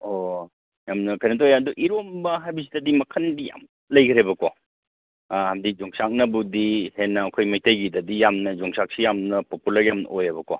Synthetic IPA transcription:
o | jamnɐkʰɐjnɐt̬ojaɐduʔiɾombɐɦajbɐsidɐdimɐkʰɐnbija̰m | lɐjɡɐɾebɐko | hamdik̚zɔŋsak̚nɐbudihenːɐːkʰojmɐjtɐjɡidɐdijamnɐd͡ʒɔŋsak̚sijamnɐpopulɐɾjamn̰ojɐbɐko

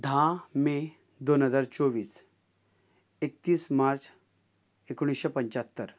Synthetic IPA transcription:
d̪ʱãme | d̪onɦəd͡zaɾt͡soʋiːs | ekt̪iːsmaɾt͡s | ekoɽ̃isɕepəɲt͡ɕat̪ːəɾ

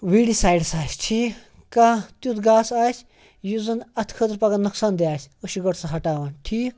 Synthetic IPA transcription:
ʋiːɽisaːjɖsaːsʲʈʰiː | kaːt̪ut̪ʰɡaːsaːsʰʲ | juzɐnɐt̪ʰkʰət̪ɾpɐɡɐnɐksaːnd̪eaːsʲoʃiɡɐɽsɐɦɐʈaːʋaːnʈʰiːk

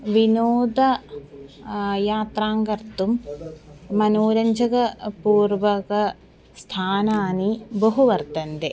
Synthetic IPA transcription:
ʋinoːd̪ɐ | jaːt̪ɾaːŋɡɐɾt̪umː | ɐnoːɾɐɲd͡ʒɐɡɐpuːrʋɐkɐ | st̪ʰaːnaːnibɐɦuʋɐɾt̪ɐnd̪e

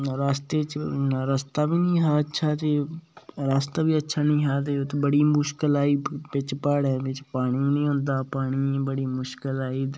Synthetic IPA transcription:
ɾaːst̪eːt͡ʃːɾəst̪aːbiːnĩːɦaːətːʃʰaːt̪eːɾaːst̪aːbiːətːʃʰaːnĩːɦaːt̪eːt̪ebəɽiːmʊʃkəlaːiːpɪt͡ʃpəɽɛːʋɪt͡ʃpaːɽ̃iːnĩːɦõnd̪aːpaːɽ̃iːbəɽiːmʊʃkəlaːiː

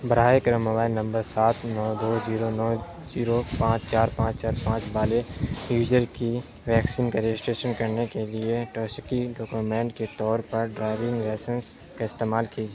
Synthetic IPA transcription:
bɐɾaːekɾəməʋaːinɐ̃mbəɾsaːt̪nɔːd̪oːd͡ʒiːɾonɔː | d͡ʒiːɾopãːt͡ʃt͡ʃaːɾpãːt͡ʃt͡ʃaːɾpãːt͡ʃbaːlejuːd͡ʒəɾki | ʋɛːksiːnkaɾɪd͡ʒsʈeːʃənkɐɾnekelieʈɔːskiɖɔːkumẽːɳʈket̪ɔːɾpɐɾɖɾaːɪʋɪ̃ŋɡlɛːsə̃ns | kaɪst̪eːmaːlkiːd͡ʒeː

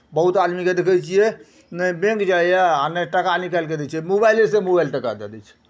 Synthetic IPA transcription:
bəɦut̪ad̪miked̪ekʰət͡ʃʰijɛ | nəibẽŋkd͡ʒajaanəʈəkanikalked̪ɛt͡ʃʰijɛmobajlesemobajlʈəka̰d̪ḛd̪ɛt͡ʃʰɛ̥

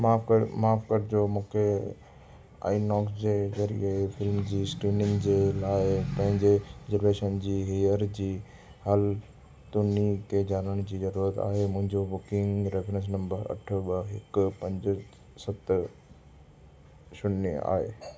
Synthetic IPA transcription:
maːfmaːfkəɾd͡ʑoːmũːkʰe | a̰ːinɔːksd͡ʑeːd͡ʑɐɾḭaefɪlmd͡ʑiːskɾiːnɪŋɡd͡ʑeːlaːɪpɐ̃ɦɪ̃ɲd͡ʑezəɾʋeːʃənd͡ʑiːɦiːəɾd͡ʑiː | hɐl | t̪ʊnit̪ed͡ʑaːnəɽ̃d͡ʑiːzɐɾuːɾət̪a̰ːɦemʊ̃ɦɪ̃ɲd͡ʑobʊkɪ̃ŋɡɾefɾə̃s̬nɐ̃mbəɾɐ̰ʈʰbəɦɪkpɐ̃ɲd͡ʑ | sɐt̪ | ʃʊna̰ːɦḛː

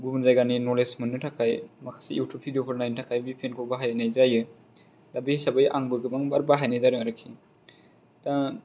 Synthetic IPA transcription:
ɡumnzajɡaninɔlesmɯnːɯtʰakʰajmakʰḁsiiwtʰupʰidiopʰɯɾnajntʰakʰajbipʰenkʰobaɦajnajzajɯ | dabihisabajʔaŋbɯɡɯbaŋbaɾbaɦajnajdaɾɯŋaɾɯkʰi | ta

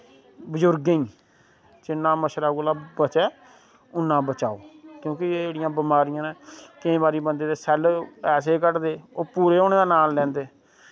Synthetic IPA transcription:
bəzʊɾɡeĩː | t͡ʃɪnːãːməʃɾaːkolaːbət͡ʃɛː | ʊnːãːbət͡ʃaːoːkjõːkɪed͡ʒeːɽɪjãːbɪmaːɾɪjãːnẽːkɪẽːbaːɾiːbənd̪eːd̪eːsɛːlɛːs̬eːkəʈd̪eːoːpuːɾeːoːñeːd̪aːnaːlːɛ̃ːnd̪eː

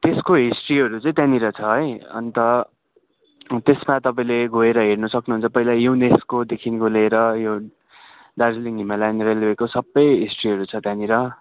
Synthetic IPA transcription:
t̪eskoɦisʈriɦʌɾut͡sʌĩt̪janiɾʌt͡sʰʌɦʌjʌ̰nt̪ʌ | t̪esmat̪ʌpaĩleɡʱoeɾʌɦernʌsʌknuɦunt͡sʰʌpʌilajuneskod̪ekʰinɡoleɾʌjo | ɖard͡zliŋimalajneɾalekosʌbːʌjɦisʈriɦʌɾut͡sʰʌt̪janiɾʌ

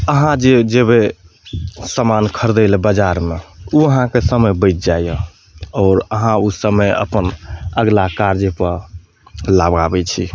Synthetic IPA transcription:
əɦãd͡ʒed͡ʒeβe | səmankʰəɾd̪əlbəd͡ʒaɾmeuəɦãkesəməjbəɪt̪̚d͡ʒajə | ɔːɾəɦãusəməjə̰pənəɡlakaɾd͡ʒepəɾ | labɡabɛt͡ʃʰḭ

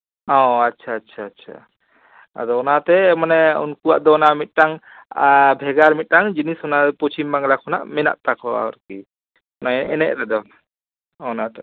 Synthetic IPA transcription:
ɔatːʃʰaːtːt͡ʃʰaːtːt͡ʃʰa̰ | a̰d̪ɔɔnat̪ɛmanɛṵnkuwa̰ʔd̪ɔnamit̪̚ʈaŋ | bʱɛɡaɾmit̪̚ˀʈaŋd͡ʒinisɔnapɔt͡ʃʰimbaŋlakʰɔna̰ʔmɛna̰ʔt̪akʰɔwa̰ɔ̰ɾki | ɔnaʔɛnɛ̰ʔɾɛd̪ɔ | nat̪ɛ

